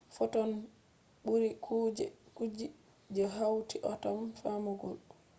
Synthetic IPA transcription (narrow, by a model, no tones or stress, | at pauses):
fɔtɔn | ɓuɾikʰud͡ʒɛkud͡ʒi | d͡ʒɛɦawtiʔɔtamfamɔɡɔl